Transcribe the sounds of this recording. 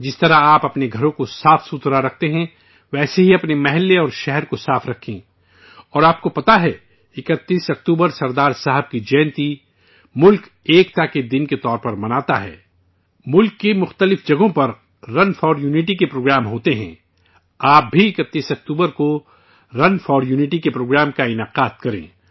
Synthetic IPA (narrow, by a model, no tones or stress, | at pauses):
d͡ʒɪst̪ɐɾaaːpɐpneɡʱɐɾõkosaːfsuːt̪ɾaɾɐk̚ʰt̪eɦɛ̃ | ʋɛːseɦiɐpnemɛɦɛlːeɔːɾʃɛɦɛɾkosaːfɾɐkʰːẽ | ɔːɾaːp̚kopɐt̪aɦɛ | ɪkət̪ːiːsɐkt̪uːbəɾsɐɾd̪aːɾsaɦəb̚kid͡ʒɛ̃ːnt̪i | mʊlk | eːkt̪aked̪ɪnket̪ɔːɾpɐɾmɐnaːt̪aɦɛ̰ː | mʊlkːemʊxt̪əlɪfd͡ʒɐɡõpɐɾː | ɐnfɔːɖjuːnɪʈikepɾoːɡɾaːmɦoːt̪eɦɛ̰̃ | aːp̚bʱiɪkət̪ːiːsɐk̚t̪uːbəɾko | ɾɐnfɔːɖjuːnɪʈikepɾoːɡɾaːmkaɪnaːqaːt̪kɐɾḛ̃ː